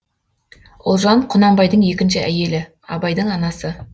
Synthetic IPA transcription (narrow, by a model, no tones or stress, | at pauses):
ʊlˠʒɑɴqʰʊnɑmbɑjd̪əɴje̞kʲɪnʃɪʔæ̰je̞lɪ | ɑ̰bɑjd̪əɴɑnɑsə